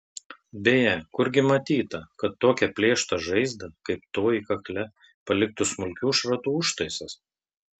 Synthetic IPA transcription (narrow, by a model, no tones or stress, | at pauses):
bʲeːjɛkʊɾʲɡʲɪmɐt̪ʲiːt̪ɐkɐt̪ːoːkʲɛpʲlʲeːʃt̪ɐʒɐɪzd̪ɐkɐɪpt̪oːjikɐklʲɛ | pɐlʲɪk̚t̪ʊsmʊlʲkʲuːʃɾɐt̪uːʊʃt̪ɐɪsɐs